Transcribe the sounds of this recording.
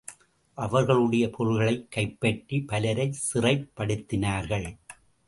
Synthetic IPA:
ʔɐʋɐɾɣɐɭɯɽɐjɐpʰɔɻɣɐɭɐɪkːɐɪpːɐʈɾipɐlɐɾɐɪsɪrɐɪpːɐɽɯt̪ːɪnaːɾɣɐɭ

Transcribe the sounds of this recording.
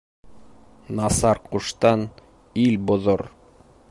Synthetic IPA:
nɑsɑɾquʃt̪ɑn | ilbŏðoɾ

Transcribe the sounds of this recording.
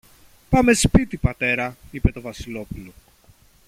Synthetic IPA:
pɐme̞spit̪ipɐt̪e̞ɾɐipe̞t̪o̞vɐsilo̞pulo̞

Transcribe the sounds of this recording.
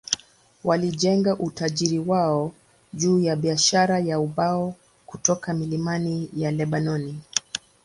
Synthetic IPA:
waliʄɛŋɡaʔutaʄiɾiwaɔ | ʄuːjaɓiaʃaɾajauɓaɔ | kutɔkamilimanijalɛɓanɔni

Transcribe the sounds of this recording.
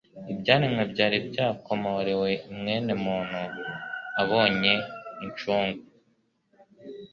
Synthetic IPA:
ibɟaːɾimŋebɟaːɾibɟaːko̞moɾewe̞mŋe̞ːnemuːn̥hu | aβo̞ːɲe̞iɲt͡ʃuːŋɡu

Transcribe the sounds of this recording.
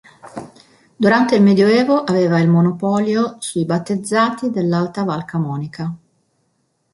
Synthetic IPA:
d̪uɾant̪eilmed̪joɛːvoʔaveːvailmonopɔːljosujbat̪ːed̪zːaːt̪id̪elːalt̪avalkamɔːnika

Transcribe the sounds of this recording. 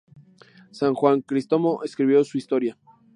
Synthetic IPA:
saŋxwaŋkɾist̪omoʔeskɾiβjo̞suist̪o̞ɾja

